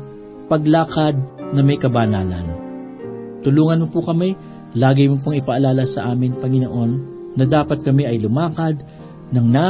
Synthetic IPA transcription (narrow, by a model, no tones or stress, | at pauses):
pɐɡlaːkɐd̪̚nɐmɐjkɐbaːnaːlɐ̰n | t̪ʊluːŋɐnmopʊkɐmɛ | laːɡɪmop̬aŋɪpɐʔɐlaːlɐsɐʔaːmɪnpɐŋɪnoʔo̞nː | ɐd̪aːpɐt̪̚kɐmɛʔɐjlʊmaːkɐd̪̚ | nɐŋna